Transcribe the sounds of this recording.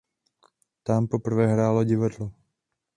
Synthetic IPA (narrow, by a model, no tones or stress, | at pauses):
t̪ampopr̩vɛɦɾaːloɟɪvadlo